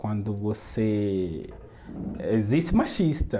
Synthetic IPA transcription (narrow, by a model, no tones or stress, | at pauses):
kwɐ̃nd̪ʊvose | eziʃt̪ɪmaʃist̪ɐ